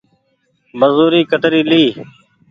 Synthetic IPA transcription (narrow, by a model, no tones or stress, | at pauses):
bəzuːɾiːkət̪ɾiːliː